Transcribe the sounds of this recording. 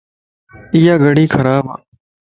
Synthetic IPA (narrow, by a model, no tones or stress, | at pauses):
ɪjaːɡəɽiːkʰəɾaːbã̰ː